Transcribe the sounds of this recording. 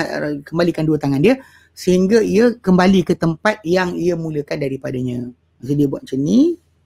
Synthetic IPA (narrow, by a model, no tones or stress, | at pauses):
kəmbalikanduət̪aŋandiə | səɦiŋɡaiəkəmbalikət̪əmpat̪̚jaŋiəmũləkandaɾipadaɲã | sədiəbuaʔ̪̚t͡ʃəni